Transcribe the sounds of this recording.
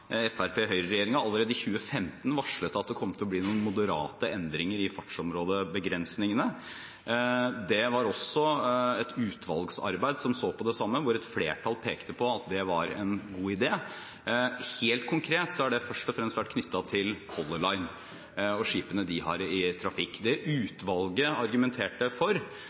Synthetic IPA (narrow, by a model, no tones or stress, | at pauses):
ɛfæɾpʰeːɦœʏɾəɾɛjeːɾɪŋɑɑlːəɾeːd̪əɪçʉːəfɛmt̪n̩ʋɑʂɭət̪ːɑt̪̚d̪ɛkʰɔmːət̪ʰɪlɔbliːnuːnmʊd̪əɾɑːt̪əɛnd̪ɾɪŋəɾɪfɑʈʂɔmɾoːd̪əbəɡɾɛnsnɪŋənə | d̪ɛʋɑɾɔsɔɛt̪ʉːt̪ʰʋɑ̰lɡsɑ̰ɾbæɪd̪sɔmsoːpɔd̪ɛsɑmːəʋʊɾɛt̪fleːʈʰɑlpʰeːkt̪əpʰɔɑt̪̚d̪ɛʋɑɾɛ̰nɡuːɪd̪eː | heːlt̪̚kʰʊŋkʰɾeːt̪sɔhɑɖɛfœʂʈɔfɾɛmst̪ʋæʈ̚kʰnʏt̪ːɑt̪ʰɪlkʰɔlːəlɑɪn | ɔʂiːpənəd̪ɪhɑ̰ɾɪt̪ʰɾɑfɪkːd̪ɛʔʉːt̪ʋɑlˠɡəɑɾɡʉmɛnt̪ʰeːʈəfɔɾ